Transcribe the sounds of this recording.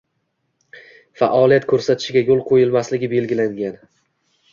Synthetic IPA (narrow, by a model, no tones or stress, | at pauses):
fa̰ʔɒlijat̪kʰɵɾsat̪ʰɪ̥ʃɪɡʲajolˠqʰojɪlmaslɪɡʲɪbe̞lɡʲɪlaŋɡʲan